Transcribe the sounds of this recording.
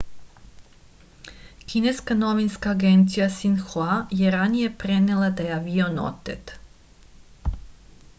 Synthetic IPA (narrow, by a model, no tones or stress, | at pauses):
kʰineskanoʋinskaːɡent̪sijasinxoajeɾanije̞pɾenelˠad̪ajaʋiono̰t̪et̪